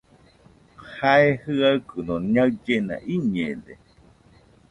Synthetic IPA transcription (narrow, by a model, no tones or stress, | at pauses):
haehɨaɨkɨnõɲaɨd͡ʒenã̰ʔiɲẽde